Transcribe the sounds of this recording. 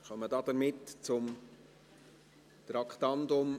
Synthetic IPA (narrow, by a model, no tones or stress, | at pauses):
χœmːədɑːd̥əɾmɪtt͡sʊm | t̪ɾɑkʰtɑndʊm